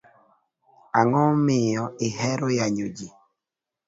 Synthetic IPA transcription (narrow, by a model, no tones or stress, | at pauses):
aŋɔmijɔihɛɾojaɲod͡ʒi